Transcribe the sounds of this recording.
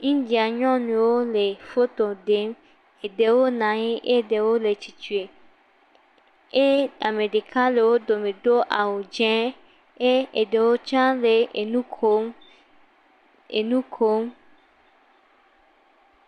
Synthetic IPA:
ɲĩ˦d͡ʒi˨a˨ɲɔ̃˦nũ˨wo˦le˨fo˦t̪o˨ɖe˨˦m | e˨ɖe˨wo˦nã˨ɲĩ˦ʔe˦ɖe˨wo˦le˨t͡ʃi˨t͡ʃu˨e˨ | e˦a˨me˨ɖe˨kã˦le˨wo˦do˨me˨do˦ʔa˨wo˨d͡ʒɛ̃˦ | e˦e˨ɖe˨wo˦t͡ʃã˦le˨nũ˦km | ḛ˨nũ˦kʰo˦m

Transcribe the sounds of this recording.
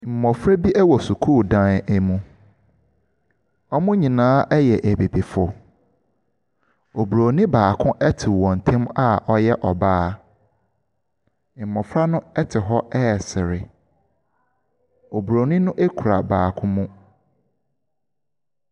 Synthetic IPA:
m̩˨mɔ̃˨fɾa˦bi˦ʔɛ˦wɔ˨su˨kʰuː˦˨dã˦næ˦˨mũ˨ | ɔ˦mʊ̃˦ɲĩ˨nãː˦ʔɛ˦jɛ˨ʔæ˨bi˨bi˨fʊ˨ | o˨bɾo˨nɪ̃˦baː˨kʰʊ̃˦ʔɛ˦tʰɪ˨wɔ̃˨n˨tʰɛ̃˦ma˦ɔ˦jɛ˦ʔɔ˨baː˦ | m̩˨mɔ̃˨fɾa˦nʊ̃˦ɛ˦tʰɪ˨ɦɔ˦ɛ˦˨sɪ˨ɾɪ˨ | o˨bɾo˨nĩ˦nʊ̃˦ʔe˦kʰu˨ɾa˨baː˨kʰʊ̃˦mũ˦

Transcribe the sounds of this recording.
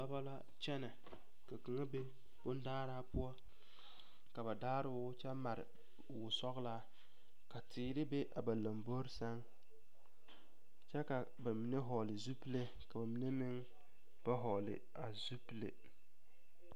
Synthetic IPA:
ba˦ba˦la˦ | t͡ʃɛ˦na˨ | ka˨ki˨ŋa˦be˦ | b̥ʊ˦n˦daː˦ɾaː˦pʊ˦ɔ˦ | ka˨ba˨daː˦ɾɪ˦t͡ʃɛ˦ma˨ɾɪ̰˨ | wʊ˨sɔ˦ɣla˦ | ka˨tʰiː˨ɾɪ˦be˦ʔa̰˨ba˨la˨mbo˦ɾsa˦ŋ | t͡ʃɛ˦ka˨ | ba˨mi˨ne˦ɦɔ˨lɪ˨zu˦pi˦le˦ | ka˨ba˨mi˨ne˦mɪ˦ŋ | b̥a˦ɦɔ˨lɪ̰˨ | a˨zu˦pi˦le˨

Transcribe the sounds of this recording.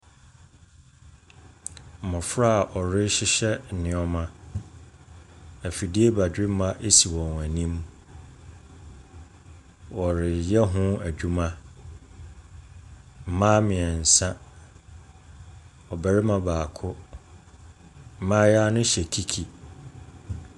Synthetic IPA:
m̩˨mɔ̃˨fɾa˦a˨ʔɔ˨ɾɪ˦ɕɪ˦ɕɛ˦˨nɪ̃˨ɔ˦mã˦ | æ˨fi˨di˦e˦ba˨dᶣɪ˦m̩˦mã˦ʔe˦si˨wɔ̃˨næ˨nĩ˦m | wɔ˨ɾɪ˨jɛ˦ɦʊ̃˦æ˨d͡ʑᶣu˦mã˦ | m̩˦mã˦mɪ̃˨ɛ˨n̩˨sã˦ | ɔ˨bæ˨ɾɪ˦mã˦baː˨kʰʊ˦ | m̩˨mã˦ja˦nʊ̃˦ɕɛ˨kʰi˦kʰi˨

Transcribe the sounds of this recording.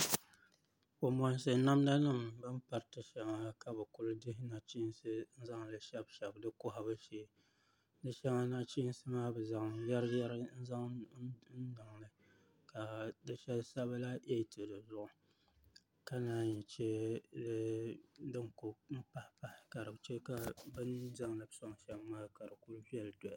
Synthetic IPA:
ko˨mɔ˨n˦sɨ˨˦na˦mna˦nɨ˦mbɨ˦m˦pa˨ɾtɨ˨ʃɛ˨ŋa˦ka˨bɨ˨kʊ˦lɨ˦dɪ˦ɦɪ˦na˨t͡ʃi˦nsɨ˦n̩˦za˦ŋlɨ˦ʃɛ˦bʃɛ˨bdɨ˦kʊ˦ɦa˨bɨ˦ʃeː˦ | nɨ˦ʃɛ˦ŋa˦na˦t͡ʃi˦n˦sɨ˦maː˦bɨ˨za˨ŋja˦ɾɨ˦ja˦ɾɨ˦n̩˦za˦ŋn̩˦dɨ˨ŋnɨ˨ | ka˨dɨ˦ʃɛ˦lsa˦ba˦la˦ʔe˦˨tɨ˨dɨ˨zʊ˦ʔʊ˨ | ka˦naː˦ɲi˨t͡ʃe˦lɨ˦dɨ˦ŋkʊ˨m̩˦pa˦hɪ˨pa˨hɪ˨ka˨ɾɨ˨bt͡ʃɛ˦ka˨bɨ˦n˦za˦ŋlɨ˨bsɔ˦ŋ˨ʃɛ˦bmaː˦ka˨ɾɨ˨kʊ˦lvi˦ɛ˦ldɔ˨a˨˦

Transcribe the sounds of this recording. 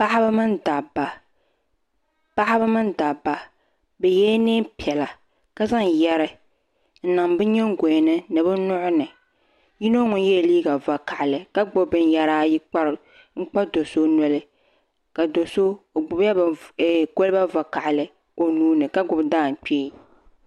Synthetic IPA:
pa˦ha˦ba˦mɨ˦nda˨bːa˨ | pa˦hɪ˦bɨ˦mɨ˦nda˨bːa˨ | bɛ˨jɛː˦ne˦pi˨ɛ˨la˨ | ka˦za˦ŋjɛ˦ɾɨ˦ | n̩˨na˨mbɨ˦ɲɛ˦ŋ˦ɡo˨nɨ˦nɨ˨bɨ˦nʊ˦ʔʊ˦nɨ˨ | ji˦no˦ŋʊ˨n˦jɛ˦˨liː˦ɡa˨va˨ka˨ʔɪ˨lɨ˨ka˦ɡ͡bʊ˦bɨ˨n˦ja˦ɾaː˦ji˦k͡pa˦ɾɨ˦ | ŋ̩˦k͡pa˦do˨so˦nɔ˦lɨ˦ | ka˨do˨so˦˨ɡ͡bʊ˨˦ba˦bko˦lɨ˦ba˦va˨ka˨ʔɪ˨lɨ˨ | o˨nuː˦nɨ˨ka˦ɡʊ˨bdaː˦˨ŋ̩˨k͡peː˦˨

